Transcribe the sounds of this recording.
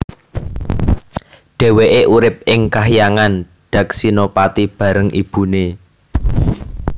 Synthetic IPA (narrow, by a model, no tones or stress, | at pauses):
ɖ̥e̤weʔeʔuɾɪp̚ɪŋkaɦijaŋan | ɖ̥ä̤k̚sinopat̪ib̥a̤ɾəŋʔib̥ṳne